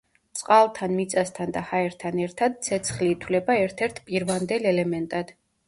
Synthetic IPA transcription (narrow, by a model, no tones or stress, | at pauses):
t̪sʼqʼalˠt̪ʰanmit̪sʼast̪ʰand̪ahaɛɾt̪ʰanɛɾt̪ʰad̪̚t̪sʰɛt̪sʰχliːt̪ʰwlɛbaɛɾt̪ʰɛɾt̪ʰpʼiɾvand̪ɛlɛlɛmɛnt̪ʼad̪̥